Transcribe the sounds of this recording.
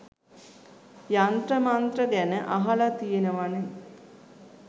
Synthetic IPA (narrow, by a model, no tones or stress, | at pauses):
jant̪ɾəmant̪ɾəɡænəʔaɦalat̪ijenəʋane